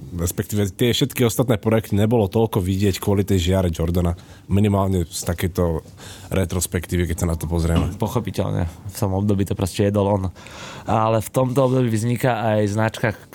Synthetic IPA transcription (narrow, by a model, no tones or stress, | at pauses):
ɾɛspɛkt̪iːʋɛt̪ɪɛfʃɛt̪kiɔst̪at̪nɛːpɾɔjɛkt̪iɲɛbɔlɔt̪ɔʎkɔʋiɟɪɛckʊɔlit̪ɛjʒɪaɾɛd͡ʒɔɾd̪ana | minimaːlɲɛst̪akɛjt̪ɔ | ɾʔɛt̪ɾɔspɛkt̪iːʋikɛc̚sanat̪ɔpɔzɾɪɛmɛpɔxɔpicɛ̰lɲɛ̰ft̪ɔmɔb̚d̪ɔbiːt̪ɔpɾɔscɛjɛd̪ɔlɔn | alɛft̪ɔmt̪ɔɔbd̪ɔbivzɲikaajznat͡ʃka